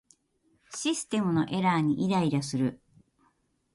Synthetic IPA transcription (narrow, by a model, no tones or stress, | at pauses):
ɕisɨ̥t̪e̞mɯ̟no̞̰ʔe̞ɾaːɲ̟iʔiɾaiɾasɨɾɯ̟